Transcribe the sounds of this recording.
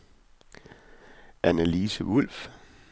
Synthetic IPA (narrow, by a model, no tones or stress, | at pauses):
ʔænəliːsəul̰f